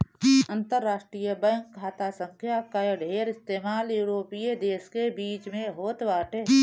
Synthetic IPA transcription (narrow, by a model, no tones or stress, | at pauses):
ə̃nt̪əɾːaːʃʈɾijəbəŋkʰːaːt̪asə̃ŋkʰjakaɖʱeːɾɪst̪eːmaːljuːɾoːpied̪eːskebiːt͡ʃmẽɦoːt̪ʋaːʈe